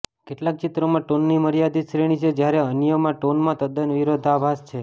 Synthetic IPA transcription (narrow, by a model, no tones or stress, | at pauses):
keʈlak̚t͡ʃit̪ɾomãʈonːiməɾjad̪iʃɾeɽ̃it͡ʃʰed͡ʒjaɾeənjəmãʈonmãt̪əd̪ənʋiɾod̪ʱabʱast͡ʃʰe